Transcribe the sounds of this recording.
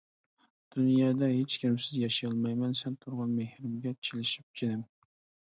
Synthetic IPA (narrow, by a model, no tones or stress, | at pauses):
d̪̥unjɑːd̪ɛɦet͡ʃkʲimsɪzjɑʃijɑlˠmɑjmɛnsɛnt̪ʰʊɾʁɑnmehɾɪmɡʲɛt͡ʃʰelɪʃi̥p̚t͡ʃʰed̪ɪm